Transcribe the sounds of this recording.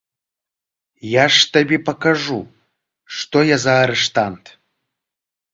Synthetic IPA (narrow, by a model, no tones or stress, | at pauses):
jaʂt̪ɐbʲepɐkaʐu | ʂt̪ojazaːɾɨʂt̪ant̪